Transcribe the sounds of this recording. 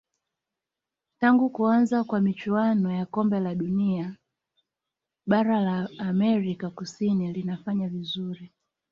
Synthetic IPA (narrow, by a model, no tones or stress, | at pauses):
taŋɡukuanzakwamit͡ʃuanɔjakɔmbɛlaɗunia | ɓaɾalaːmɛɾikakusinilinafaɲavizuɾi